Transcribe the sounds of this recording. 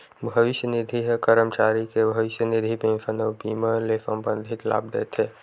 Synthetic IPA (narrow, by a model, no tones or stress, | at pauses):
bʱəʋɪʃjənɪd̪ʱiɦkəɾəmt͡ʃaːɾikebʱɐʋɪsjənɪd̪ʱibẽmfənoːbiːməlesə̃mbə̃nd̪ʱit̪la̰ːb̚d̪ḛt̪eː